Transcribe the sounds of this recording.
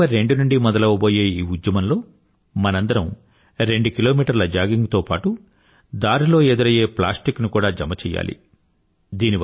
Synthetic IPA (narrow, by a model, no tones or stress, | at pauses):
ɐɾe̞ɳɖunuɳɖimɔd̪ɐlɐʋɐbo̞ːje̞ːiːud̪jɐmɐnlo̞ː | mɐnɐnd̪ɐɾɐm | ɾe̞ɳɖukilo̞ːmiːʈɐɾlɐd͡ʒaːɡiŋɡt̪o̞ːpaːʈu | d̪aːɾilo̞ːeːd̪uɾɐje̞ːplaːsʈiknukuːɽaːd͡ʒɐmɐt͡ʃɛːja̰ːlḭ | d̪iːni